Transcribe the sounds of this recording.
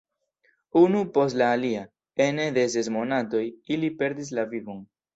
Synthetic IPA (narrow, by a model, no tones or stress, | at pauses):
unupo̞stlaːlia | e̞ne̞de̞s̬e̞s̬mo̞nato̞jilipe̞ɾdis̬lavivo̞n